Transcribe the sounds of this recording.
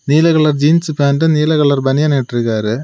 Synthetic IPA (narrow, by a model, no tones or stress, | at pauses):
niːlɐɣɐɭɐɾd͡ʒiːnspaːnɖɯniːlɐɣɐɭɐɾbɐnɪjɐneʈːɪɾɯkːaːɾɯ